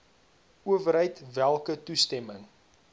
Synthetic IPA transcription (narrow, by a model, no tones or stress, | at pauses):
uəvəɾɦəjtvælˠkətustɛməŋ